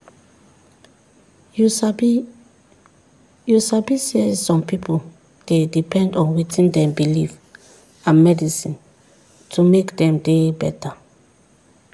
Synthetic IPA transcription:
jusabisisɔ̃mpʰipʰol | d̥edipʰɛ̃ndɔ̃nwitʰĩndɛ̃mbiliv | ãnmɛdisĩn | tʰumekdɛ̃mdebɛta

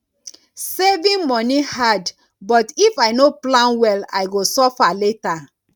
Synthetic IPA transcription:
sevĩnmɔnihad | bɔtifaɪnoplãnwɛla̰jɡosɔfaleta

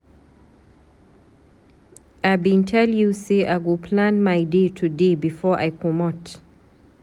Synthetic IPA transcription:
abintʰɛljuseʔaɡopʰlãnmaɪdetʰudebɪfɔʔa̰jkʰɔmɔt

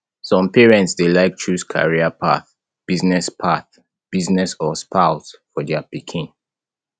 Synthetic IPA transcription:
sɔ̃mpɛɹɛ̃ntsdelaɪk̚t͡ʃʰɹuskʰa̰ɹiapʰa̰θ | b̥iznɛspʰaθ | b̥iznɛsɔspʰaʊtfɔdɛapikʰĩn

